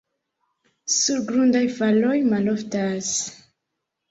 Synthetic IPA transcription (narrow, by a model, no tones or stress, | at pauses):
suɾɡɾundajfalo̞jmaloftas